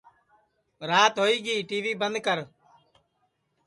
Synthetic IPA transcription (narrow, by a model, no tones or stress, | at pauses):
ɾaːt̪ɦoːiːɡiːʈiːʋiːbənd̪kəɾ